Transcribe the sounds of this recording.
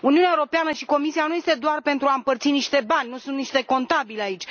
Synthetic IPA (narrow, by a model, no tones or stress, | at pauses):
uniuneaewoɾo̞peanəʃiko̞misianuje̞st̪e̞d̪oarpe̞nt̪ɾuaɨmpərt̪siniʃt̪e̞banʲnusunt̪niʃt̪e̞ko̞nt̪abileait͡ʃʲ